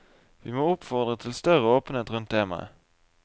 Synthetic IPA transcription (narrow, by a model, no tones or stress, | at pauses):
vɪmoːʊpfɔʁd̪ʁət̪ʰɪlst̪œʁəoːpənət̪ʁɵnt̪̚d̪eːmæ̰